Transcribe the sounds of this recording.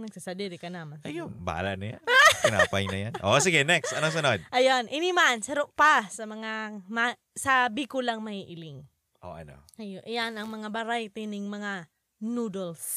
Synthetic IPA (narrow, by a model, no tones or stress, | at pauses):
nɐɡ̚sasɐd̪iɾɪkɐnamɐnɐjoba̰a̰laʔnaja̰ɪna̰ːpajnɐjanʔos̬ɪɡɛnɛkst̪ɐnoŋsɐnod̪̚ʔɐjonʔɪnimansɐɾoʔ̚pasɐmɐŋama | sabikolaŋmɐhiʔɪlɪŋ | ʔo̰ʔɐ̰no̰ʔɐjoʔjanɐŋmɐŋabɐɾajt̪inɪŋmɐŋa | nud̪ols